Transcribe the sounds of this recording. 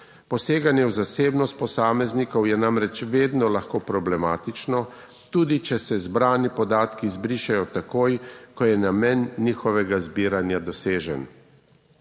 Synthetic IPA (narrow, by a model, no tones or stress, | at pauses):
pɔseːɡanjɛwzaseːbnɔst̪̚pɔsaːmɛznikɔwjɛnamɾɛt͡ʃʋeːd̪nɔlaxkoːpɾɔblɛmaːt̪it͡ʃnɔ | t̪uːd̪it͡ʃɛsɛzbɾaːnipɔd̪aːt̪kizbɾiːʃajɔt̪akoːjkɔjɛnamɛnːiːxɔʋɛɡazbiːɾanjad̪ɔseːʒɛn